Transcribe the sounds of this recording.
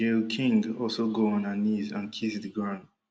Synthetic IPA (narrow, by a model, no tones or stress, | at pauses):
elkʰɪ̃ŋɔlˠsoɡoə̃nənizə̰̃nkʰɪsdəɡɹãn